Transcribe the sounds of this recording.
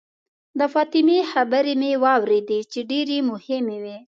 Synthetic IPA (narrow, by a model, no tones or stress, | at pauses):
d̪əfɑt̪ɪmexabəɾemewɑwɾed̪et͡ʃeɖeɾemʊhɪmewi